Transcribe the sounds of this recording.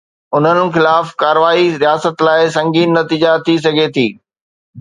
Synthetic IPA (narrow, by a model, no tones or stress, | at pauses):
ʊn̤ənɪ̆xɪlaːfkaːɾəʋaːiɾijaːsət̪laːɪsɐ̃ŋɡiːnːɐt̪iːd͡ʑat̪ʰis̬ɐɡʱet̪ʰiː